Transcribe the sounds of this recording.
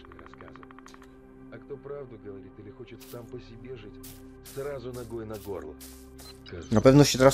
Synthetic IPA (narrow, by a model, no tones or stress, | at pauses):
ɾɐskaz | ɐkt̪o̞pɾavd̪ʊɡəvɐɾʲit̪ɨlʲɪxo̞t͡ɕɪt̪sampəsʲɪbʲeʐɨtʲ | srazʊnɐɡo̞jnɐɡo̞rlˠə̰ | nɐpɛvnəɕɪt̪ɾa